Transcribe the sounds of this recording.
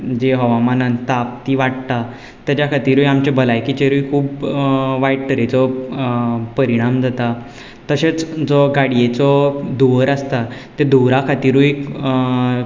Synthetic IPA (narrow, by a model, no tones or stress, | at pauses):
d͡ʑeɦɔʋamanãnt̪ap̚t̪iʋaʈt̪a | t̪jat͡ɕjakʰat̪iːɾujamt͡ɕebʱəlajkit͡ɕeɾujkʰuːbʋajʈ̚kəɾet͡sɔ | pəɾiɽ̃amd͡zʱat̪a | t̪əɕet͡sd͡zɔɡaɽijet͡sɔd̪uʋəɾast̪at̪ːed̪uɾakʰat̪iːɾuji